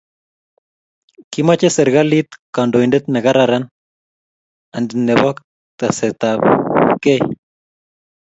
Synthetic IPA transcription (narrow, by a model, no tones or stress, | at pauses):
kimat͡ʃɛsɛɾɣalit̪kandoindet̪̚nɛɣaɾaɾan | andnɛβɔk | t̪asɛt̪apkɛj